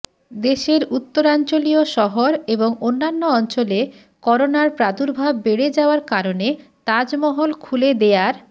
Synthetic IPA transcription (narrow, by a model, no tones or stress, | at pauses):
d̪eʃeɾut̪ːoɾant͡ɕolioʃɔɦoɾeboŋonːanːoɔnt͡ɕole | kɔɾonaɾpɾad̪uɾbʱabːeɽed͡ʑaoaɾkaɾonet̪ad͡ʑmɔɦolkʰuled̪eaɾ